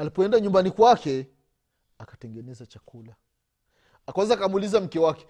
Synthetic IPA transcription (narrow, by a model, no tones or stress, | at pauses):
alipɔɛndaɲumbanikwakɛ | akḁtɛŋɡɛnɛzat͡ʃakula | akawazakamuːlizam̩kɛwakɛ̥